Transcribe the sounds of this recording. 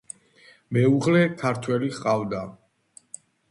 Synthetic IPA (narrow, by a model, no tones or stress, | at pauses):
mɛuʁlɛkʰaɾt̪ʰwɛliχqʼavd̪a